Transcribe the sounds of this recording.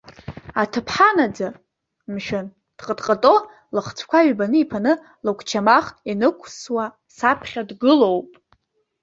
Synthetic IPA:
atʰɨpʰħanad͡za | mʃᶣan | d̥qʼədqʼətʼo̞ | lɨχt͡sʷʰkʷʰaɥbanɨipʰanɨ | lɨkʷʰʼt͡ʃʰamaχinɨkʷʰswa | sapʰχʲadɡɨlo̞wpʼ

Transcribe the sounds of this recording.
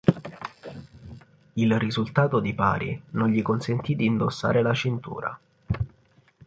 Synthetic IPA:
ilrizult̪aːt̪od̪ipa̰ːɾḭnonɲʎikonsent̪id̪iːnd̪osːa̰ːɾelat͡ʃint̪ṵːɾa̰

